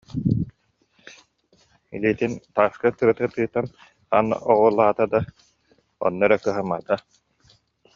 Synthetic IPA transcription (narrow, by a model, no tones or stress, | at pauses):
ḭliːt̪int̪aːskat̪ɯɾat̪ɯt̪ɯːt̪an | a̰nɔʁulˠaːt̪ad̪a | ɔ̰nːɔɾakɯɦama̰t̪a